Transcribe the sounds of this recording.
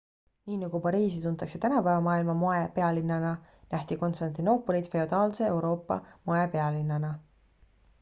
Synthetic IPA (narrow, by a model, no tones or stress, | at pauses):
niːnɑɡ̥upɑɾiːsit̪unt̪ːˑɑkse̞t̪ænɑpævɑmɑːilmɑmoepe̞ɑlinːɑnɑnʔæht̪iko̞nst̪ɑnt̪ino̞pːˑo̞lit̪fe̞od̪̥ɑːlse̞ewɾo̞ːpːɑ̰moepe̞ɑlinːɑnɑ